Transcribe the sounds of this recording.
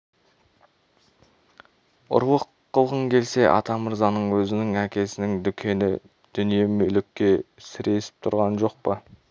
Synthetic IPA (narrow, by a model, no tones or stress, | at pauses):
ʊ̰ɾlˠəqːəlˠʁəŋkʲʰe̞lse̞ʔɑ̰t̪ɑməɾzɑnəɴwɵzɪnɪŋækʲe̞sɪnɪŋd̪ʏkʲʰe̞nɪ̰ | d̪̥ʏnije̞mɵlɪkʲːe̞sɪɾe̞sɪ̥p̚t̪ʰʊɾʁɑnʒo̞q̚pə